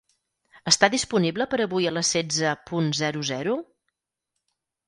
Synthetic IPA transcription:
əst̪aðispunibləpəɾəβujələsɛd͡zəpunzɛɾuzɛɾu

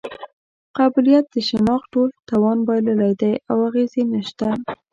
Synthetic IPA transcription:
qɑbɪlijat̪̚d̪əʃɪnɑxʈolt̪ɑwɑnbɑjlalajd̪ajawaɣezenəʃt̪a

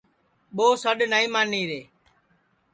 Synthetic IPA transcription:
ɓoːsəɗnaːĩːmãːniːɾeː

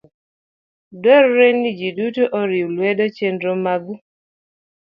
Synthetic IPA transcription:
dɔɾɾenid͡ʒidutoʔoɾiwlwɛdot͡ʃendɾomaɡu

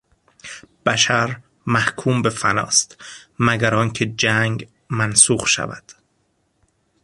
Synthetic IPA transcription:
b̥æʃæɾ | mæhkʰuːmbefænɒ̰ːst̪mæɡæɾɒːncʰed͡ʒæŋɡ | mænsuːχʃæ̰væ̰d̪̥

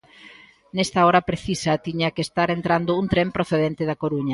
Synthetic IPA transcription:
nɛst̪ɐɔɾɐpɾeθisɐt̪iɲɐkest̪aɾent̪ɾand̪ʊuŋt̪ɾempɾoθeðent̪ɪðɐkoɾuɲɐ

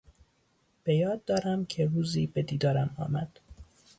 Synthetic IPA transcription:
b̥e̞jɒːd̪ːɒːɾæmcʰeruːziːbe̞d̪iːd̪ɒːɾæmɒ̰ːmæd̪̥

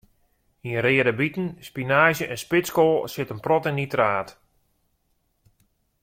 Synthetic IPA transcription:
iənɾɪːədəbitən̩spinaːʒjəʔɛnspɪskolˠsɪtənprɔtɪnitraːt

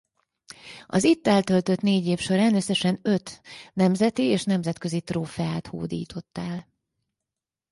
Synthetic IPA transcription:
ɒ̰zit̪ːɛlt̪ø̞lt̪ø̞t̪neːɟeːfʃo̞ɾaːnø̞sːɛʃɛnøt̪nɛmzɛt̪ieːʃnɛmzɛt̪kø̞zit̪roːfɛaːt̪ho̰ːd̪ḭːt̪ʰo̞t̪ːaːl

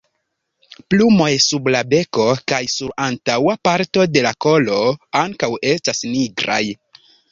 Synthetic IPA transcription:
plumo̞jsublabe̞ko̞kajsuɾantawapaɾto̞de̞lako̞lo̞aŋkawe̞stasniɡɾa̰j

